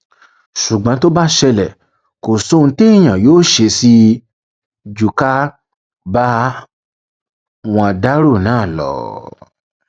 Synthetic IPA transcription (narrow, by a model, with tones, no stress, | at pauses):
ʃu˨ɡ͡bã˨˦to˦ba˦ʃɛ˧lɛ˨ | ko˨sõ˦˧˦te˦i˦˨j̃ã˨joː˦ʃe˧si˧˦ | d͡ʒu˨ka˦ | ba˦ | w̃ɔ̃˧˨da˦ɾo˦˨nãː˦˨lɔ̰˨˦